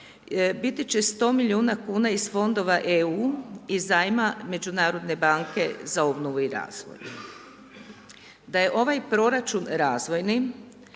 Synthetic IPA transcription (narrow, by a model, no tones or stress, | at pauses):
bit̪it͡ɕe̞st̪o̞ːmiʎʲiuːnakuːnaizfo̞nd̪o̞ʋaʔeuːizajmame̞d͡ʒunaːɾo̞d̪ne̞baŋke̞zao̞bnoʋuiɾa̰ːzʋo̰j | d̪aje̞ʔo̞ʋajpɾo̞ɾat͡ʃunɾaːzʋo̞jni